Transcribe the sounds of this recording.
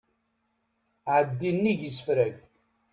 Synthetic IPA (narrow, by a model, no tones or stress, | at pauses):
ʕəd̪ːinːiʝəsəfɾæʝ